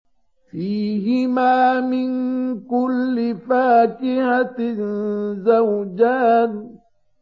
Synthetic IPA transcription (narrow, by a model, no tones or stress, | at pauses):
fiːɦɪmaːmɪnkʊlːɪfaːkɪhat | zawd͡ʒaːn